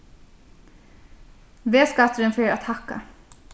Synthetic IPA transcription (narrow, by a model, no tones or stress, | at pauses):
ʋeːskɑt̪əɾənfœːɾat̪hɑkːa̰